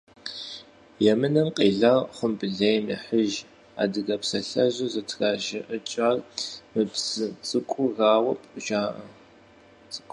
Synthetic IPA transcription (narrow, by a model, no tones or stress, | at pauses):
jɛmɨnɐmqʼiːɮɐrχʷʊmbɨɮejnḭħəʒ | a̰ːdɨɡɐpsɐɬɐʑɐzɐtʰraːʒɪʔət͡ʃʼarmɨpsɨt͡sʼɨkʷʼʊraːwɐpʼʒaːʔɐ | t͡sʼkʷʼ